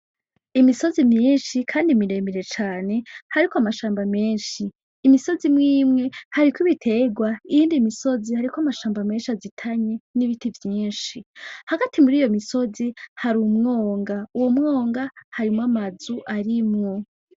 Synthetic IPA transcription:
imiso̞zimɲiːnʃikʰaːndimiɾe̞miɾe̞t͡ʃaːne̞haɾikoamaʃaːmbameːnʃiː | miso̞zimŋiːmŋe̞haɾikwiβitʰe̞ɡwaijiːndimiso̞zihaɾikwoamaʃaːmbame̞ːnʃiazitʰaɲe̞niβitivjiːnʃihaɡatʰimuɾiːjo̞miso̞zihaɾuːmŋo̞ːŋɡauwomŋo̞ːŋɡahaɾimŋamazuʔaɾimŋo̞

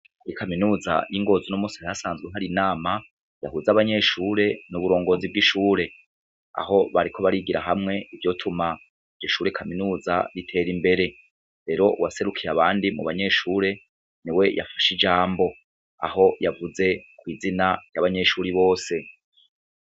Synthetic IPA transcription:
kikʰaminuːza̰jiŋɡo̞ːzunomusiajasaːnzɡweɦaɾinaːma | ja̰huzaβaɲe̞ʃuːɾe̞nuβuɾo̞ːŋɡo̞zibɡiʃuːɾe̞ | a̰ho̞βaɾikʰo̞βaɾiɡiɾaɦamŋe̞ivjo̞tʰuma | iɟoʃuːɾekʰaminuːza̰ɾitʰe̞ːɾimbe̞ɾe̞ | ɾe̞ɾo̞wase̞ɾukʰiɾaβaːndimṵβaɲe̞ʃuːɾe̞ | niwe̞jʔa̰fḁʃid͡ʒaːmbo̞ | a̰ho̞javuze̞kwiːzinajaβaɲe̞ʃuːɾiβo̞ːse̞

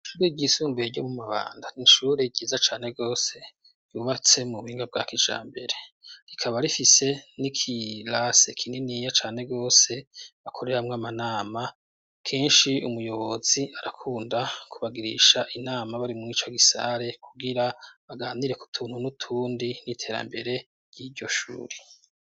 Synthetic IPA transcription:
ʃuɾweɟisuːmbeɟomumaβa̰ːndaniʃuːɾe̞ɟiːzat͡ʃaːne̞ɡo̞ːse̞ | juβat͡se̞muuiːŋɡab̚ɡa̰ːkid͡ʒa̰ːmbe̞ɾe̞ɾikʰaβaɾifise̞nikʰilasekʰininijat͡ʃaːne̞ɡo̞ːse̞βakʰo̞ɾe̞ɾamŋamanaːma | kʰe̞ːnʃiumujo̞βo̞ziaɾakʰuːndakʰuβaɡiɾḭʃaʔinaːmaβaɾimŋiːt͡ʃoɡisa̰ɾe̞kʰuɡiɾaβaɡaːniɾe̞ku̥tʰuːn̥hunutʰuːndinitʰe̞ːɾa̰mbeɾe̞ | ɾj̥idɟo̞ʃṵːɾi

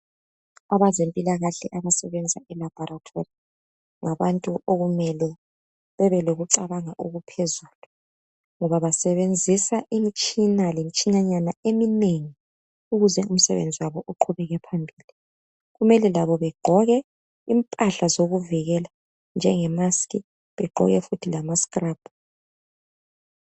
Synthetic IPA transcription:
aβazempʼilaɣaɬɛʔaβasɛβɛnd͡zʱaɛlab̥ʱɔɾatʰori | ŋaβantʼuʔoɣumɛlɛ | βɛβɛloɣuǀaβaŋaʔoɣupʰezuːlu | ŋɔβaβasɛβend͡zʱisaʔimit͡ʃʼinalemit͡ʃʼiɲaɲanaemineŋi | uɣuzɛum̩sɛβḛnd͡zʱiwaβɔʔuǃʰuβɛɣɛpʰambʱiːli | ɣumɛlɛlaβɔβɛɡ͡ǃ̥ʱɔɣɛ | impʼaɬazoɣuviɣɛla | nd͡ʒʱɛŋɛmaskʼi | βɛɡ͡ǃʱɔ̰ɣɛfutʰilamaskraːb̥ʱu

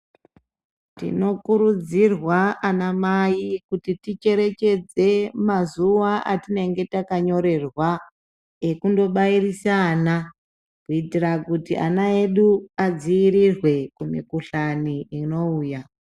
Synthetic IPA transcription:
tḭno̞kuɾud͡zirwaʔanamajikutitit͡ʃe̞ɾe̞t͡ʃe̞d͡ze̞mazuʋaʔatine̞ŋɡe̞takaɲo̞ɾe̞rwa | ekundo̞ɓairisaːna | kuitirakutiʔa̰nae̞ɗuad͡ziiɾirwe̞kumḭkuɬaniino̞uːja

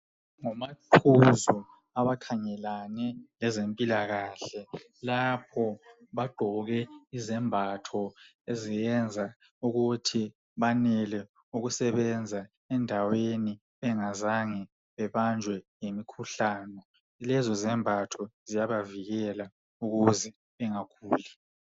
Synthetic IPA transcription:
ŋɔmatʰuzu | aβakʰaŋɛlanɛlɛzempʼilaɣaːɬɛ | lapʰɔβaɡ͡ǃ̥ʱɔɣɛizɛmbʱatʰɔ | ezijɛnd͡zʱa | uɣutʰi | βanɛlɛ | uɣusɛβɛnd͡zʱa | ɛndʱaweni | βɛŋazaŋɛ | βɛβand͡ʒʱwɛjemikʰuɬaːnɔ | ilɛzɔzɛmbʱatʰɔzijaβaviɣɛla | uɣuzi | βɛŋakʰuːli

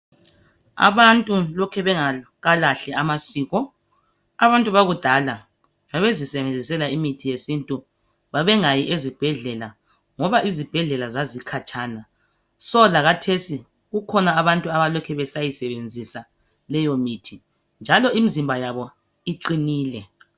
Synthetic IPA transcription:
a̰βantʼulɔkʰɛβɛŋa | ɣalaɬɛamasiːɣɔ | aβantʼuβaɣud̥ʱala | aβezisɛβend͡zʱisɛlaimitʰijesintʼu | βaβɛŋajiʔezib̥ʱɛɮɛla | ŋɔβaʔizib̥ʱɛɮɛlazazikʰat͡ʃʰʼana | sɔlaɣatʰesi | ɣukʰɔnaːβantʼuaβalɔkʰɛβɛsajisɛβend͡zʱisa | lɛjomitʰi | nd͡ʒʱalɔimizimbʱajaβɔ | iǃiniːlɛ

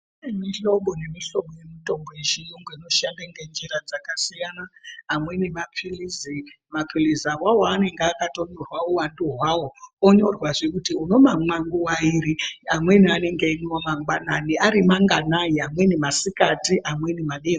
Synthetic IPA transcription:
nemiɬo̞ɓo̞ne̞miɬo̞ɓoje̞mito̞mbojeʒijoŋɡoino̞ʃandaŋɡe̞nd͡ʒiɾad͡zakasijanaːmwe̞nemapilizi | mapilizawawoːne̞ŋɡeakato̞nirwaowanduɦwawooɲo̞rwaʐekutiuno̞mamwaŋɡuwaiɾiamwe̞niane̞ŋɡeinomaŋɡwananiaɾimaŋɡanajiamwe̞nemasikatiʔamwe̞nemaɗeko

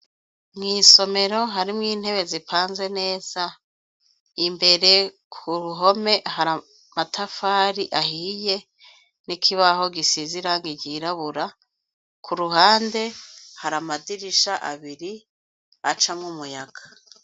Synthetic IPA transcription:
mŋiːso̞me̞ɾo̞ɦaɾimŋiːn̥he̞βe̞zipʰaːnze̞ne̞ːz̥a | imbe̞ɾe̞ | kʰuɾuɦo̞me̞ɦaɾa | matʰafaːɾiʔahiːje̞ | nikʰiβaho̞ɡisiziɾaŋɡiɟiːɾaβuɾa | kʰuɾuɦaːnde̞haɾamadiɾiʃaʔaβiɾi | at͡ʃamŋumujaɡ̥a

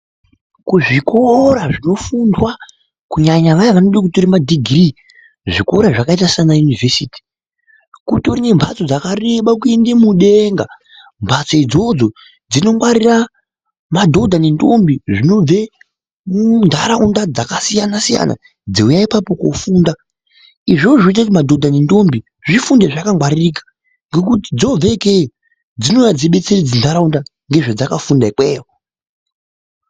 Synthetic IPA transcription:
kuʐiko̞ɾaʐino̞fundwa | kuɲaɲaʋajaʋanoɗek̬utoɾimadiɡʱri | ʐiko̞ɾaʐakaitasianajunivesiːti̥ | kutorine̞mbʱat͡so̞d͡zakareɓak̬uendemuɗeŋɡa | mbʰʱat͡soid͡zo̞d͡zo̞ | d͡zino̞mwaɾira | madʱo̞dʱanentombiʐino̞b͡ve̞ | ndʱaɾaundad͡zakasijanasija̰na̰ | d͡ziujaipapo̞ko̰fuːnda | iʐoʐʐoit̬akut̬imadʱo̞dʱanindo̞mbi | ʐifundeʐakaŋɡwaririkḁ | ŋɡe̞k̬uti̥d͡zo̞b͡vekei | d͡zino̞jad͡ziɓe̞t͡serid͡zindʱaɾaunda | ŋɡe̞ʐed͡zakafundaikweːwo

